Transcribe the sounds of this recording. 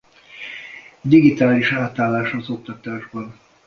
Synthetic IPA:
d̪iɡit̪aːliʃaːt̪aːlːaːʃhɒzo̞k̚t̪ɒt̪aːʒbɒn

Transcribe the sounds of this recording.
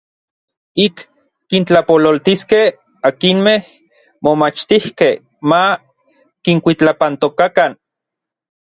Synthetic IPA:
ikː | int͡ɬapololt̪iskeh | akinmeh | momat͡ʃt̪ihkeh | ma | kiŋkʷit͡ɬapant̪okakan

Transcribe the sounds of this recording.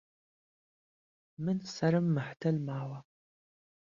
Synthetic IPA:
mɨnsɐɾɨmːɨħtʰɐlmaːwɐ

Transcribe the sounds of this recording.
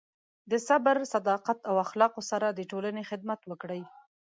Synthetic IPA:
d̪əsabəɾsad̪ɑqat̪awaxlɑqosaɾad̪əʈolanexɪd̪̚mat̪wəkɽəj

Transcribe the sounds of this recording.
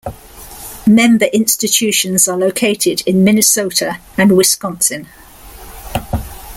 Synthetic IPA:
mɛ̃mbəɹʔɪ̃nstɪt͡ʃʰʉˑʃə̃nzələʊkʰeɪtʰɪdɪ̃nmɪnɪsəʊtʰə | ə̃nwɪskɒ̃nsə̃n

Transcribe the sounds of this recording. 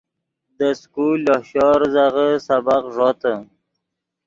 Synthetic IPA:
d̪əskulɔhɕɔɾzaʁəsabaqʐot̪ə

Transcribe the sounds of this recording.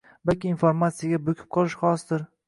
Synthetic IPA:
balkʲɪːnfoɾmat̪sɪjaɡʲabokʲʰɪ̥p̚qʰɒlˠɪʃχɒsd̪ɪɾ

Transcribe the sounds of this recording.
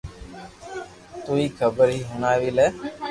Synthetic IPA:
t̪uːiːkʰəbəɾɦiːɦʊnaːʋiːlɛː

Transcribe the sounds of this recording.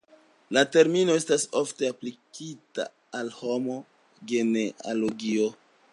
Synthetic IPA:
late̞ɾmino̞e̞staso̞fte̞aplikita̰ː | lho̞mo̞ | ɡe̞nealoɡio̞

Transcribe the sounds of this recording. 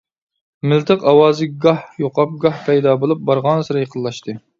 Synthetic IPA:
mɪlt̪ʰɨqɑwɑːzɨɡɑhjoqʰɑp̚ɡɑhpʰɛjd̪ɑbolˠup̚bɑɾʁɑnsɨɾɨjəqʰəlˠːɑʃt̪ʰɨ

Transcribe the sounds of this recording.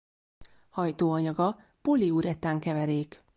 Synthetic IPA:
hɒjt̪oːɒɲɒɡɒ | poliuɾɛt̪aːŋkɛvɛɾeːk

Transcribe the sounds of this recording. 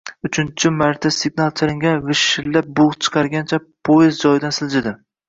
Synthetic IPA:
ʊt͡ʃʰɪnt͡ʃʰɪmaɾt̪ʰasɪɡnalˠt͡ʃʰaɾɪŋɡʲanvɪʃɪllːap̚bʊʁt͡ʃʰɨ̥qʰɑɾɡʲant͡ʃʰapʰojɪzd͡ʒɒjɪd̪ansɪld͡ʒɪd̪ɪ

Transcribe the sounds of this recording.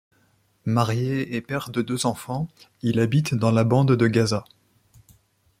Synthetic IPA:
maʁjeepɛʁd̪əd̪øzɑ̃fɑ̃ilabit̪d̪ɑ̃labɑ̃d̪d̪əɡʲaza

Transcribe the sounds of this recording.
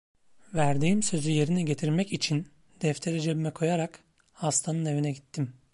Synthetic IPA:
væɾd̪iːmsø̞zyje̞ɾinɛɟe̞t̪ʰiɾmɛcit͡ʃʰin | d̪̥ɛft̪ʰe̞ɾid͡ʒebimɛkʰo̞jaɾak | hast̪ʰanɯne̞vinɛɟit̪ʰːim

